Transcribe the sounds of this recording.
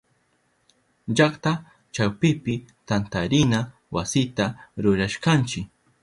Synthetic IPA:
ʎakt̪a | t͡ʃawpɪpɪt̪ant̪aɾɪna | wasɪt̪aɾʊɾaʃkant͡ʃɪk

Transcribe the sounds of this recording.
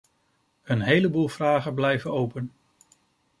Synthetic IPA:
ənɦejləbuːlˠv̥raːχənblɛjvənowpən

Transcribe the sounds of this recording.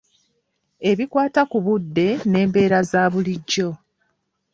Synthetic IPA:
e̞βikwaːtakuβudːe̞ne̞ːmbe̞ːɾazaːβuliɟːo̞

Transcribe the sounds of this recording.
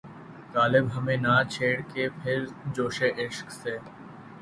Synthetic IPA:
k̪aːlɪbɦɐmẽnat͡ʃʰeːɽkepʰɪɾd͡ʒoːʃeʔɪʃkseː

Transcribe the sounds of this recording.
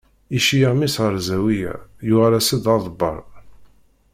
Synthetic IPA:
iʃijəʁmisʁəɾˤzæwijæ̰jʊʁæɾæsəd̪ɑðˤəbːɑ̰ɾˤ

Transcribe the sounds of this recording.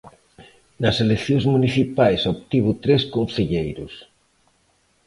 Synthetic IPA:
nɐselekθjõŋzmuniθipajsopt̪iβ̞ut̪ɾeskõnθeʎejɾʊ̰s

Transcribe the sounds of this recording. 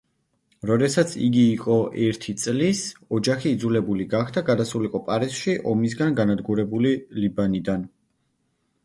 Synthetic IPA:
ɾɔd̪ɛsat̪sʰḭɡiːqʼɔʔɛɾt̪ʰit̪sʼlisɔd͡ʒaχiːd̪zulɛbuliɡaχd̪ʰaɡad̪asuliqʼɔpʼaɾisʃiʔɔmis̬ɡanɡanad̪ɡuɾɛbulilibanid̪an

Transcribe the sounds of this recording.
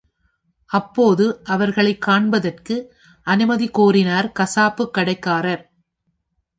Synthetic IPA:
ʔɐpːoːðɯʔɐʋɐɾɣɐɭɐɪkːaːɳbɐðɐrkɯ | ʔɐnɯmɐðikoːrɪnaːɾkɐsaːpːɯkːɐɽɐɪkːaːɾɐɾ

